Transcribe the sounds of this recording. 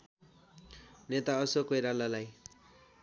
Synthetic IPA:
net̪aʌsokojɾalalaj

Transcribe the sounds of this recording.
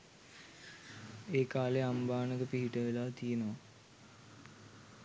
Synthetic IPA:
eːkaːleambaːnəɡəpiɦiʈəʋelaːt̪ijenoʋa

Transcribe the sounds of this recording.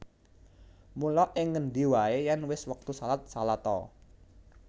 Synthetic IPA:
mulɔʔɪŋːənɖ̪iwaejanwɪswək̚t̪usalat̪̚salat̪ɔ̰

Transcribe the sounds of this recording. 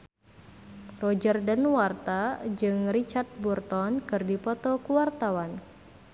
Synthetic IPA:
rɔd͡ʒərdanwart̪ad͡ʒɨŋrit͡ʃart̪̚burt̪ɔnkɨrdipɔt̪ɔkuwart̪awan

